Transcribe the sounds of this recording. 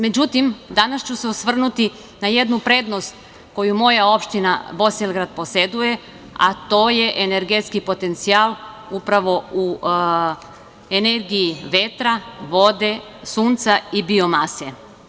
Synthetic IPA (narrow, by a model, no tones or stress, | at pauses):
me̞d͡ʑut̪imd̪anast͡ɕuseosʋr̩nut̪i | naje̞d̪nupɾe̞d̪no̞st̪ | ko̞jumo̞jao̞pʃt̪ina̰bo̞selɡɾad̪̚po̞se̞d̪uje̞ | a̰t̪o̞ːje̞ʔene̞ɾɡet̪skipo̞t̪e̞nt̪sialˠ | upɾaʋo̞u | eneɾɡijiʋe̞t̪ɾaʋo̞d̪e̞ | suːnt̪saibio̞mase